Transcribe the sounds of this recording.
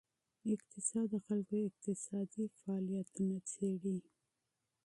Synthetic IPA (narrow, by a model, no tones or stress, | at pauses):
ɪqt̪ɪsɑd̪ːəxalkoɪq̚t̪ɪsɑd̪ifaːlijat̪unat͡seɽi